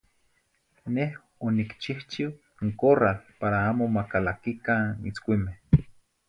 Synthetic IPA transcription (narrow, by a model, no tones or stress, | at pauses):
neh | onikt͡ʃiht͡ʃiw | ŋkoralpaɾaaːmomakalakikanḭt͡skʷimeh